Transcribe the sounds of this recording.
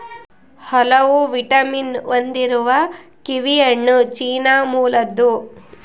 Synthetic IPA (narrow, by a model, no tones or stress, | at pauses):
hɔlɐwuʋiʈɐminʋond̪iɾuʋɐkiʋijɐɳːut͡ʃiːnaːmuːlɐd̪ːu